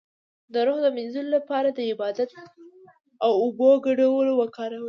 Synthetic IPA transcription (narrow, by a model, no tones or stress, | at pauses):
d̪əɾoɣd̪əmɪnzulolapɑɾad̪əɪbɑd̪at̪̚ | awʊboɡaɽawəlowakɑɾawə